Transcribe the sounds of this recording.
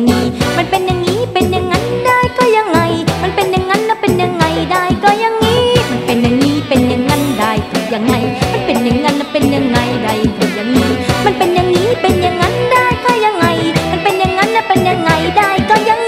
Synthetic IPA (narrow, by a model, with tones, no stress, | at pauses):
ŋiː˦˥ma˧˥˩npe˧nja˨˧ŋːiː˦˥pe˧nja˨˧ŋːa˧˥ndaː˥˩jkɔː˧˩ja˧ŋːa˧jma˧˥npe˧nja˧ŋːa˧˥nːa˧˩pe˧nja˧ŋːa˧jdaː˧˩jkɔː˧˩ja˧ŋːiː˦˥ma˧˩npe˨˩nja˨˧ŋniː˦˥pe˨˧nja˨˧ŋːa˧˥ndaː˧˩jkɔ˧˩ja˨˧˩ŋːa˧jma˧˥˩npe˨˩nja˨˩ŋːa˧˥nːa˧˩pe˧nja˨˧ŋːa˧jda˧˩jpʰɔ˧˩ja˨˧˩ŋniː˦˥ma˧˥˨npe˧nja˨˧ŋniː˦˥pe˧nja˧ŋːa˧˥ndaː˧˥˩jkɔː˧˩ja˧ŋːa˧jma˧˥npe˧nja˧ŋːa˧˥nːa˧˩pe˧nja˧ŋːa˧jdaː˧˥˩jkɔː˧˩ja˧ŋ